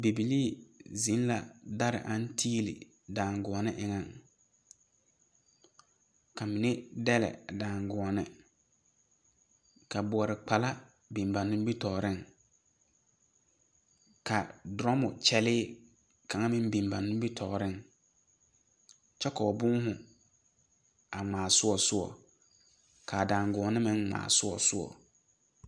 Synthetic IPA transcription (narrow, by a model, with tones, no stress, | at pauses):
be˨bi˨liː˦˨zi˨˦n˦la˨da˦ɾɪ̰˨ʔa˨˦n˦tʰiː˦lɪ̰˨ | daː˨ŋɡʊ˨ɔ˨nɪ˦ʔɪ˨ŋa˨ŋ | ka˨mɪ˨nɛ˦dɛ˦lɛ̰˨daː˨ŋɡʊ˨nɪ̰˨ | ka˨bʊ˨ɔ˨ɾɪ˨k͡pa˨la˦ | bi˨mba˨nːʊ̃˦m˦bi˦tɔː˨ɾɪ˦ŋ | kʰa˨dɾɔ˦mʊ˨t͡ʃɛ˦lɪː˦ | kʰa˨ŋa˦mɪ̃˦m˦bĩ˨mba˨nʊ̃˦m˦bi˦tʰɔ˨ɾɪ˦ŋ | t͡ʃɛ˦kɔ˨ɔ˨bʊ̃˦ŋ˦hʊ̃˨ | a˨ŋ͡mãː˨sʊ˦ɔ˨sʊ˦ɔ̰˨ | kʰa˨dãː˨ŋɡʊ˨ɔ˨nɪ˦mɪ̃˦ŋŋ͡ma̰ː˨sʊ˦ɔ˨sʊ˦ɔ̰˨